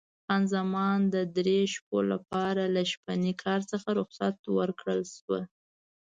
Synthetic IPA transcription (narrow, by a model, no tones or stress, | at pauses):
afɣɑnzamɑnd̪əd̪ɾeʃp̚ola̰pɑɾalaʃpanikʰɑɾt͡səxaɾʊxsat̪wəɾkɽəlʃwə